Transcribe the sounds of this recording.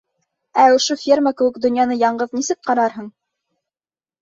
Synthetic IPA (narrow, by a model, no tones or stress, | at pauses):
æŏʃofʲirməkɘ̆wɘ̆kd̪ɵ̆njɑnɤjɑɴɢɤðnisɘk̚qɑɾɑɾɦɤɴ